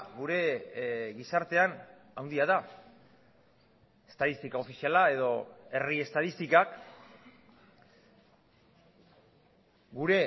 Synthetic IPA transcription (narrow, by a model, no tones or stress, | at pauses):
ɡuɾe̞ɣisaɾt̪e̞an | awnd̪iað̞a | est̪aðist̪ikao̞fisialae̞ðo̞e̞rie̞st̪aðist̪ikak | ɡuɾe̞